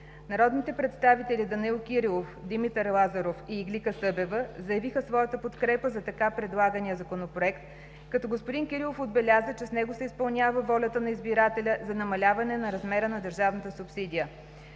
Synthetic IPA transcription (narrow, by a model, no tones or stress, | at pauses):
nɐɾɔd̪nit̪ɛpɾɛt̪st̪avit̪ɛlʲid̪ɐnilˠkʲiɾilˠofd̪imit̪əɾlˠazɐɾofiːɡlʲikəsɤbɛvəzəjɐvixəsvɔjət̪əpot̪kɾɛpəzɐt̪ɐkapɾɛd̪lˠaɡənijəzɐkonopɾoɛkt̪ | kɐt̪ɔɡospod̪inkʲiɾilˠofod̪̚bɛlʲazət͡ʃɛsnɛɡosɛispɐlˠnʲavəvɔlʲət̪ənɐizbiɾat̪ɛlʲəzɐnɐmɐlʲavɐnɛnɐɾɐzmɛɾənɐd̪əɾʒavnət̪əsupsid̪ʲijə